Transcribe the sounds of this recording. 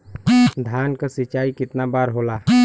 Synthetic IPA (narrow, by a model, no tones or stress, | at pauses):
d̪ʱaːnkasit͡ʃaːikɪt̪nabaɾɦola